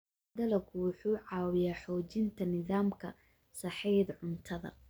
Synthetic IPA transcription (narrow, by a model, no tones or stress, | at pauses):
d̪ɐlɐkʰʊwʊħuːʕɑːwɪjaːħɔːt͡ʃɪnt̪ʰɐnɪðaːmkʰɐ | sɑħɛjd̪ʕʊnt̪ʰɐðɐ̰